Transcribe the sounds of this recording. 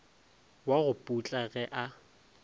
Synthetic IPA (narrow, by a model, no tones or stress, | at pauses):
waɣʊpʼut͡ɬʼaɣɛʔa